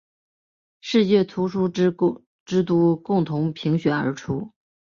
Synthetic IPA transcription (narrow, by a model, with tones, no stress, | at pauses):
ʂɻ̩˥˧t͡ɕjɛ˥˩t̪ʰu˧˥ʂu˥ | ʈ͡ʂɻ̩˥t̪u˧˥kʊ˥˩ŋt̪ʰʊ˧˥ŋpʰi˧˥ŋɕɥɛ˧˥nə̰˞˧˥ʈ͡ʂʰu˥